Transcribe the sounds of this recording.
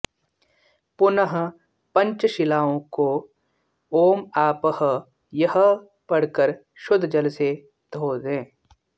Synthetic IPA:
pʊnəɦ | pɐ̃ɲt͡ʃʃɪlaːõko | oːmaːpəɦ | jəɦə | pɐɽ̤kəɾ | ʃʊd̪ʱd͡ʒɐlse | d̪̥ʱoːdẽː

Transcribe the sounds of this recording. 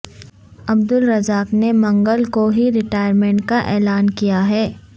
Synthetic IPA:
ɐb̚d̪ʊlɾɐzaːknemɐ̃ŋɡəlkoɦiɾɪʈaːɪjəɾmẽːɳʈ̚kaʔɛːlaːnkijaɦɛː

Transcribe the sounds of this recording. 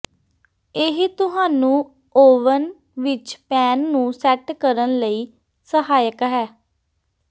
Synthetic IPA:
ɪɦt̪ʊɦaːnũː | oːʋən | ʋɪt͡ʃpɛːnːũːsɛʈkəɾənləiː | səɦaːjəkɦɛː

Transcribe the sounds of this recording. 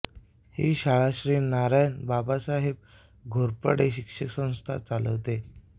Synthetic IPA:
hiːɕaɭaɕɾiːnaɾajnbabasaɦeb̚ | ɡʱoɾpəɽeɕikʂəksə̃w̃st̪ʰa̰t͡saləʋt̪e

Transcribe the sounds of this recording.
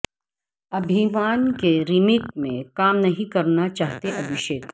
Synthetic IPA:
ɐbʱimaːnkeɾimeːkmẽkaːmnɐɦĩkɐɾnat͡ʃaːɦt̪eʔɐbʱɪʃeːk

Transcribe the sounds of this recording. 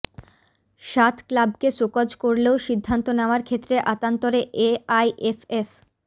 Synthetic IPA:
ʃat̪klab̚kesokad͡ʑkoɾleoʃid̪ʱːant̪onaoaɾkʰet̪ːɾeʔat̪ant̪oɾeʔeajefef

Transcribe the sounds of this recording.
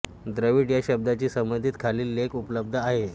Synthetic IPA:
d̪ɾəʋiːʈjaɕəb̚d̪at͡ɕiːsəmbənd̪ʱiːt̪kʰaliːlːekupləb̚d̪ʱəaɦe

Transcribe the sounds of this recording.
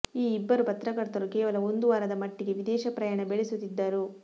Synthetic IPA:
iːbːɐɾupɐt̪ɾɐkɐɾt̪ɐɾukɛːʋɐlɐo̞nd̪uʋaːɾɐd̪ɐmɐʈːiɡe̞ʋid̪ɛːʃɐpɾɐjaːɳɐbeɭesut̪ːid̪ːɐɾu

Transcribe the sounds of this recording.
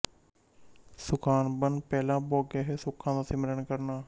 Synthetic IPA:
sʊkaːnbənpɛːlãːboːɡeːɦeːsʊkʰːãːd̪aːsɪməɾəɳkəɾnaː

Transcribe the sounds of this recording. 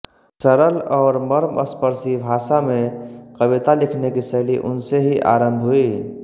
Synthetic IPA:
səɾəlɔːɾməɾmə̰spəɾsibʱaːsamẽkəβit̪alɪkʰnekisəːliʔʊ̰nseɦiʔa̰ːɾə̃mbʱɦui

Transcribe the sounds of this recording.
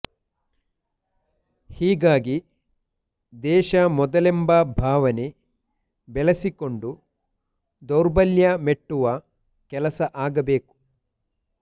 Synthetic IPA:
hiːɡaːɡi | d̪ɛːʃɐmɔd̪ɐlɛmbɐbʱaːʋɐne | bɛlɐsiko̞ɳɖu | d̪ɔɾbɐljɐmeʈːuʋɐ | kɛlɐsɐʔaːɡɐbeːku̥

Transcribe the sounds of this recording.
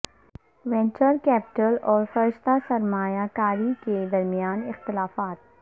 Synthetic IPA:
ʋɛ̃nt͡ʃəɾkɛːpɪ̥ʈəlɔːɾfɐɾɪʃt̪asɐɾmaːjakaːɾiked̪ɐɾmijaːnɪxt̪ɪlaːfaːt̪̚

